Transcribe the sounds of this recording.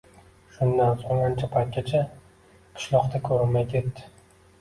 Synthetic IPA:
ʃʊnd̪ansoŋant͡ʃʰapʰajt̪̚kʲat͡ʃʰa | qʰɨ̥ʃlˠɒqt̪ʰakʰɵɾɪnmajkʲet̪ːɪ̥

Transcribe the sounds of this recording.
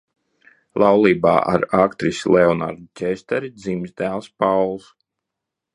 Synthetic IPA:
lˠɑwlˠiːba̰ːʔa̰ɾakt̪ɾisʲlˠeɔna̰ɾd̪ut̪ʲɛst̪ɛɾid̪zimzd̪æːlˠspawlˠs

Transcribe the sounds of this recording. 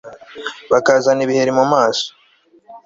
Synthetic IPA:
βakazaniβihe̞ɾimumaːso̥

